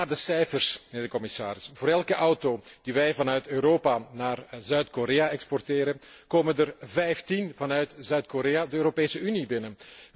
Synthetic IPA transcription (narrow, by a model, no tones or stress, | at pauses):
aːrdəsɛjfərsəneːrdəkɔmɪsaːɾɪsvoːɾɛlˠkəʔɑwtoːd̥iʋɛjvɑnœɥtøːɾoːpanaːrzœɥtkoɾeːaɛkspɔrteːɾən | koːməndərvɛjftinvɑnœɥtz̥œɥtkoɾeːadəøːɾopeːsəynibɪnən